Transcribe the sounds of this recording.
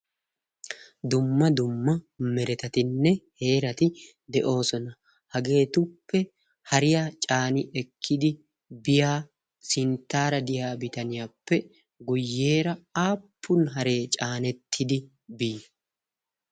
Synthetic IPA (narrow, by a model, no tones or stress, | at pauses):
d̪ʊmːɐd̪ʊmːɐ | mɛɾɛt̪ɐt̪ɪnːɛhe̞ːɾɐt̪ɪ | d̪ɛʔo̞ːsɔnɐ | hɐɡe̞ːt̪ʊpːɛ | hɐɾɪjaːt͡ʃʼaːnɪʔɛkʰːɪd̪ɪ | bɪjaː | sɪnt̪ːaːɾɐd̪ɪjaːbɪt̪ɐnɪjaːpːɛ | ɡʊjːe̞ːɾɐaːpʰːʊnɦɐɾe̞ːt͡ʃʼaːnɛt̪ʰːɪd̪ɪ | biː